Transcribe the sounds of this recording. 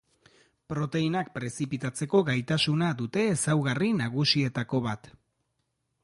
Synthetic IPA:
pɾo̞t̪e̞inak̚pɾe̞sipit̪at͡se̞ko̞ɡajt̪asunaðut̪e̞ːsawɣarinaɣ̞usie̞t̪ako̞βat̪

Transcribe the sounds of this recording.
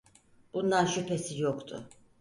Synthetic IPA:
b̥unlanʃypʰesijokt̪ʰʊ̰

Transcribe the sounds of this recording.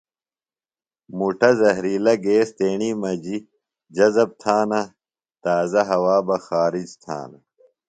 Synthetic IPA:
muʈɐzɐɦɾiːlɐɡeːst̪eːɳiːmɐd͡ʑi | d͡ʑɐzɐb̚t̪ʰaːnɐ | t̪aːzɐɦɐwaːbɐxaːɾid͡ʑt̪ʰa̰ːnɐ

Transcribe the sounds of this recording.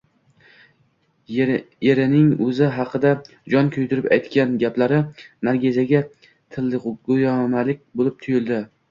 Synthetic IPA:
jeɾɪnɪŋɵzɪɦɑqʰɨd̪a | d͡ʒɒnkʲʰʊjd̪ɪɾɪpajt̪kʲanɡʲaplaɾɪnaɾɡʲezaɡʲa | t̪ʰɪlːɪɡojɒmalɪk̚ʲbolɪp̚t̪ʰʊjɪlˠd̪ɪ

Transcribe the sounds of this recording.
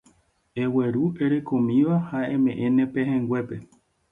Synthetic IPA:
e̞we̞ɾue̞ɾe̞kõ̞mĩʋahaẽ̞mẽ̞ʔẽnẽ̞peɦẽŋɡwʷe̞pe̞

